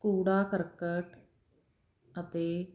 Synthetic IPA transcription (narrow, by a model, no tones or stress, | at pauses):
kuːɽaːkəɾkəʈ | ət̪eː